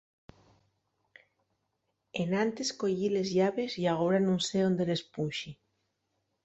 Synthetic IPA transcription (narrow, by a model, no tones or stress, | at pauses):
enant̪esko̞ʎilezʝaβe̞sjaɣ̞oɾanõnseond̪ele̞spunʲʃi